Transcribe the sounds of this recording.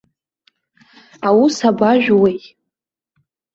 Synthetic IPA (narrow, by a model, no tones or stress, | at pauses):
awusabaʒᶣwejʼ